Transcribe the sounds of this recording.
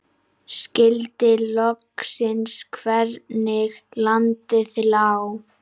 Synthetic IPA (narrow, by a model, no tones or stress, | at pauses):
scɪlt̪ɪlɔksɪnskʰvɛɾnɪɣlant̪ɪθɪlaw